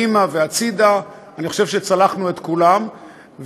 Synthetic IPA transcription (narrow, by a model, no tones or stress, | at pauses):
imaveat͡sid̪a | aniχo̞̥ʃevʃet͡salaχnuet̪kulam | v